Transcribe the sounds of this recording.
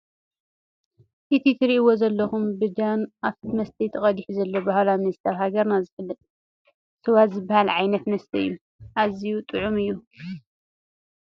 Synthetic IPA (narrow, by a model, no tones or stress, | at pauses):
ʔit̪ʰit̪ʰɨɾiʔɨwozɐlːɐxumbɨd͡ʒanʔaft̪mɐst̪ʰit̪ʰɨχʼɐd̪iħzɐlːobahalamnst̪ʰawhaɡɐɾnazɨfɨlːɨt̪ʼ | sɐwat̪zɨbːahalʕajnɐt̪mɐst̪ʰɐɨ̰jːu | ʔazijut̪ʼɨʕumɨjːu